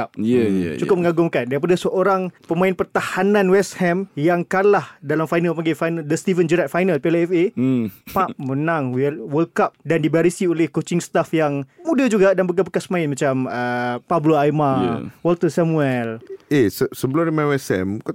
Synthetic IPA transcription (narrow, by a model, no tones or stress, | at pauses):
ap̚t͡ʃukʊp̚məŋaɡʊŋkandaɾip̬adasəʔoɾaŋpəmãɪnpərt̪ahanãnwɛshɛmjaŋkalahdalamfajnalpaɡefajnaldəst̪ivənd͡ʒəɾat̪̚fajnalpeɛlɛfepap̚mənaŋwwəlkap̚dandibaɾisiolehkot͡ʃɪŋst̪afjaŋmudad͡ʒuɡadanbək̬abəkasmãɪnmãt͡ʃaməpabloajmawɔlt̪ərsamuɛlesəsəbəloɾimãnwɛsɛ̰mk